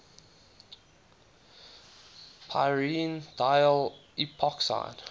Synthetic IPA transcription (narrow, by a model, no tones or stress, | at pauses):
pʰa̰ɪɹind̥ajəlipʰɔksa̰ɪd̥